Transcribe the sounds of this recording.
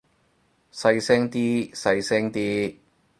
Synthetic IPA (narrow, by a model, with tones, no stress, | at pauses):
sɐ˧jsɛː˥ŋt̪iː˥sɐ˧jsɛː˥ŋt̪iː˦˥